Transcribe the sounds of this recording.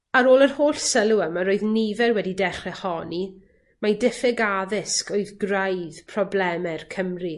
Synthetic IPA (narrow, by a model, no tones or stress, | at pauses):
aɾoːlˠərhoːɬsəlˠuəmaɾoːɨðnivɛrwɛdidɛχɛhɔni | majdɪfɛɡaðɪskoɨðɡrajðpʰrɔblɛmɛrkʰəmri